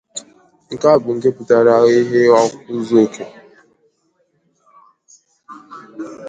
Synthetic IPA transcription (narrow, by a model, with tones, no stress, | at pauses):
ŋ̩˨ka˦˨bu˨ŋ̩˨ke˦pu˨ta˨ɾa˨ɣe˦ɦe˦wa˦ku˦zkʰe˨